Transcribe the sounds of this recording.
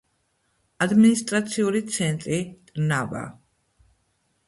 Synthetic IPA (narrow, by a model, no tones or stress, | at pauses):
ad̪minist̪ʼɾat̪sʰiuɾit̪sʰɛnt̪ʼɾit̪ʼnava̰